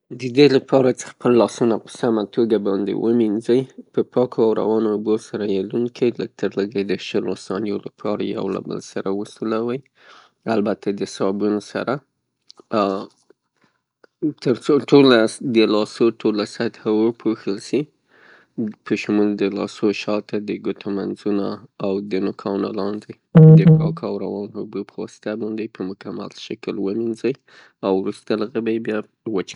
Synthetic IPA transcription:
d̪əd̪elapʰɑɾat͡sə̥xpəlːɑsunapə̥samat̪ʰoɡabɑnd̪ḛwʔəminzəjpəpɑkʰoawɾa̰wɑnoːbosaɾajeluŋkʰilək̚t̪ʰəɾləɡad̪əʃəlosɑnjolapʰɑɾaja̰wla̰bə̰lsaɾawəsulawəj | albat̪ʰad̪əsabunosa̰ɾa | t̪əɾt͡soʈolad̪əlɑsoʈʰolasat̪hawəpʰoxəlʃi | pəʃmuld̪əlɑ̰soʃɑt̪ad̪əɡʊt̪ʰamanzunaawd̪ənʊkʰɑna̰lɑnd̪əj | d̪əkɑkʰawɾawɑnhubupʰəwɑsɪ̥t̪abɑnd̪ejpəmʊkama̰lʃakəlwəminzəj | awɾust̪alaɣəbajbjɑ | wət͡ʃ

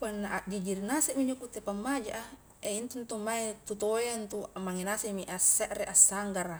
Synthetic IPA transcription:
panːaʔaʔd͡ʒid͡ʒirnasɛʔmiɲd͡ʒokut̪ːepamːad͡ʒa̰ʔa | eint̪unt̪umaet̪ut̪ojant̪uamaŋenasemiʔasːɛʔɾeʔasːaŋɡara

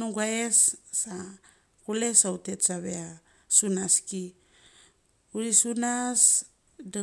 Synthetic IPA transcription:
nuɡaesːa | kule̞saute̞tsaβea | sunaski | uɾisunas | da

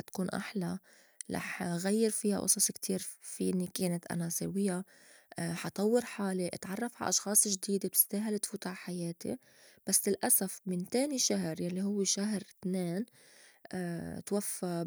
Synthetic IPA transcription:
t̪ḁkuːnʔa̰ħla | lʔɑ̰ħɣajːɪɾfiːha̰ʔʊ̰sˤɑsˤkt̪ʰiːɾfiʔɪnːikeːnat̪ʔa̰nasa̰wɪjːa | ħɑt̪ˤɑwːɪɾħaːliʔɪt̪ʕɑrˤːɑfʕa̰ʔɑʃxɑːsˤʒd̪iːd̪eb̚t̪ɪ̥st̪aːɦalt̪fuːt̪ʕaħajeːt̪ḭ | b̥asːlɪlʔasafmɪnt̪eːniʃaɦɾjalːihʊwːeʃaɦɾt̪neːn | ʔt̪wafːa

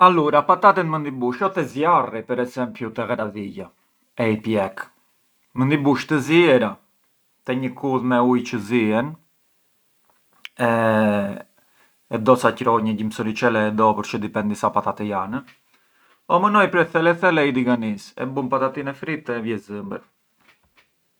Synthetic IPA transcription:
aluɾapat̪at̪ɛnmənd̪ibuʃɔt̪ɛzjaripɛɾɛsɛmpjut̪ɛɣɛɾaðiɟa | ɛipjɛk | mənd̪ibuʃt̪əziɛɾa | t̪ɛɲəkuðmɛujcəziɛn | ɛ | ɛd̪ɔsacɾɔɲəɟimsɔɾit͡ʃɛlɛɛd̪ɔpəɾt͡ʃəd̪ipɛnd̪isapat̪at̪ɛjanə | ɔmənɔjpɾɛθɛlɛθɛlɛid̪iɡanisɛ̰bumpat̪at̪inɛfɾit̪ɛvjɛzəmbə

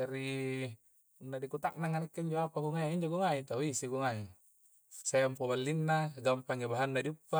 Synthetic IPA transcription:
aɾi | unːadikut̪ak̚naŋanekːeiɲd͡ʒoapaɡuŋajaiɲd͡ʒoɡuŋait̪auisiɡuŋai | saampobalːinːaɡampaŋebaɦanːadiupːa

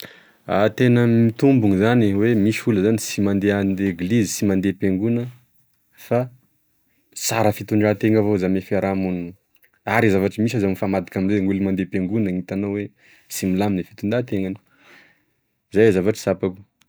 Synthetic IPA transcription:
at̪enəmit̪umbuŋizaniwemiʃuləzanisimand̪eaneɡlizisimand̪epeŋɡunə | fa | sa̰ɾəfit̪uɳɖ͡ʐat̪eŋavozamefaɾamun | aɾizavaʈ͡ʂimisazamifamad̪i̥kaminzeŋulimand̪epeŋɡunəŋit̪anowwe | similaminefi̥t̪uɳd̪at̪eŋani̥ | zajzavaʈ͡ʂə̥sapaku̥

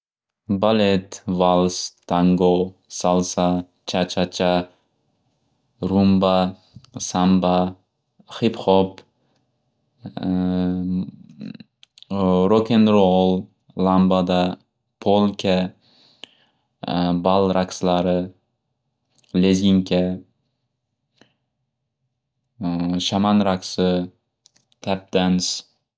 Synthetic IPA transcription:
balet̪valˠst̪ʰaŋɡosalsa | t͡ʃʰat͡ʃʰat͡ʃʰa | ɾumba | samba | χipχɔp | ɾokʰʲenɾolˠ | lambad̪a | pʰolˠkʲʰa | balˠɾakslaɾɪ | leziŋkʲʰa | ʃamanɾaksɪ | t̪ʰap̚d̪̥ans

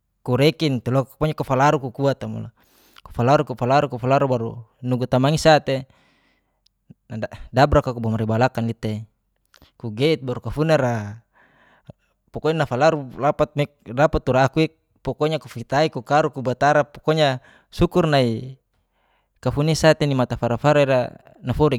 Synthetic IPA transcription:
kuɾɛkint̪elokapɔɲakufalaɾukukuat̪amṵla̰ | ku̥falaɾukufalaɾukufalaɾubaɾṵnuɡut̪amaŋisat̪e | nadabɾakakubamaɾibalakanlit̪ei | kuɡeit̪̚baɾukafuneɾa | pɔkoɲanafalaɾulapat̪̚mek̚dapat̪ːuɾaːkui | pɔkoɲakufit̪aikukaɾukubat̪aɾapokoɲa | sukurnai | kafunesat̪enimat̪afaɾafaɾaiɾa̰ | nafɔɾi

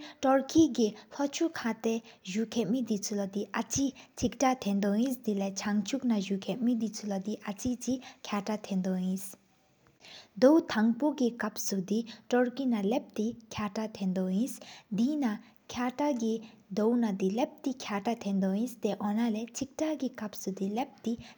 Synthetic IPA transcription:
ʈɔɾkiɡepʰɔt͡ʃʰukʰat̪eʒukʰemid̪it͡sʰulʌd̪iʔat͡sit͡sʰikʈat̪ʰend̪ɔĩsd̪ilet͡ʃʰaŋt͡ʃʰuknaʒukʰeʔmĩd̪it͡sʰulʌd̪iʔat͡sit͡sikʰjaʈat̪ʰẽnd̪ɔĩs | d̪owt̪ʰaŋpoɡikɐpsud̪iʈɔɽkinalep̚t̪ikʰaʈat̪ʰẽnd̪oĩsd̪ina | kʰjaʈaɡi | d̪ownad̪ilep̚t̪ikʰjaʈat̪ʰẽnd̪ɔĩst̪eʔɔnalet͡sʰik̚ʈaɡikɐp̚sud̪ilep̚t̪i

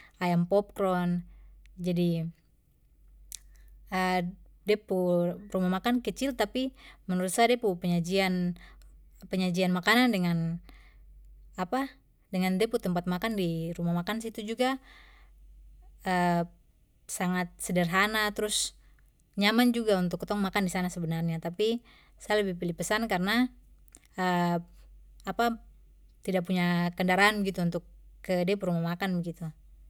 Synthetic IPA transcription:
ʔajampɔp̚kɾɔnd͡ʒadi | ədɛpurumamakankət͡ʃɪlt̪apimənəɾut̪sadɛpupəɲad͡ʒian | pəɲad͡ʒianmakanandəŋan | apa | dəŋandɛput̪əmpat̪̚makandiɾumamakans̬it̪ud͡ʒuɡa | ə | saŋat̪̚sədərɦanat̪ɾʊs | ɲamand͡ʒuɡaunt̪ʊkːt̪ɔŋmakandisanasəbənarɲat̪api | sajaləbihpilɪhpəsankarəna | ə | apa | t̪idaʔ̚puɲakəndaɾaanbəɡit̪uunt̪ʊkːədepuɾumamakanbəɡit̪u

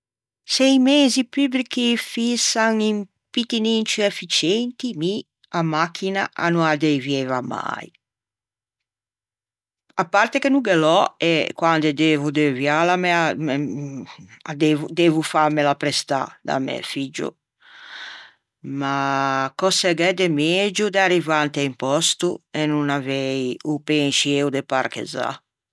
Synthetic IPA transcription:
sɛjmeːzipybɾik̟ifisaŋim | pit̪inint͡ʃuɛfit͡ʃɛnt̪imi | amakʰːinaanuad̪ɛvjɛvama̰j | apːaɾt̪ekenuɡelɔɛkwand̪ed̪eːvud̪evjalamɛa | ad̪eːvud̪eːvufamɛlapɾɛst̪a̰d̪a̰mɛ̰fid͡ʒo̰ | makɔsɛɡɛd̪ɛmed͡ʒud̪arivant̪eaimpɔst̪uɛnunavɛjupenʃieud̪ɛparkḛza̰

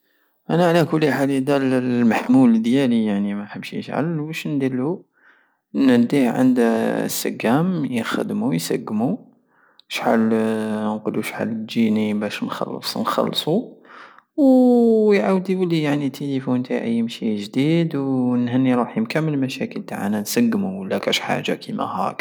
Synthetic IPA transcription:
ʔænæʕlækʊlːiħalid̪ællmaħmuld̪jælijaʕnimæħəbʃjə̰ʃʕa̰lbæʃnd̪ilːu | næd̪ihʕə̰nd̪sːə̰kːæmjəxə̰d̪mujsæ̰ɡmu | ʃħa̰lnqoluʃħa̰lːəd͡ʒinibæʃnxɑ̰lːsˤnxɑ̰lːsˤu | wjʕawd̪iwəlijaʕnit̪ʰelifunt̪aʔə̰jːmʃiʒd̪id̪wnhənːiɾˤuħjəmkæmːəlmæʃækəlt̪aʕa̰nænsəɡːmuəlːækæʃħa̰ʒa̰kʰimæ̰hæ̰k

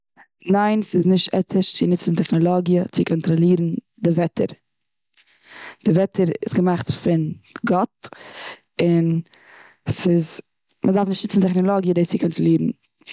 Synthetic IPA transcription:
naɪnsɪznɪʃtɛ̰tʰəʃt͡sɪnɪt͡sn̩tɛχnɔlˠɔɡjət͡sɪkʰɔntɾɔlˠiːɾn̩ | dɪvɛtʰə̰ɾ | d̥ɪvɛtʰəɾɪ̰sɡəmaχtfɪnɡɔt̚ | ɪn | sɪz | mʔədaɾfnɪʃtnɪt͡sn̩tɛχnɔlˠɔɡjədet͡sɪkʰɔntɾɔlˠiːɾn̩

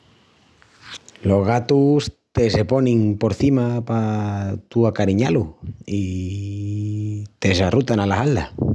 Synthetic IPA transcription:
lo̞zɣ̞at̪ust̪eseponĩŋpoɾθimapat̪uakaɾiɲalui | t̪e̞sarut̪analasald̪a̰

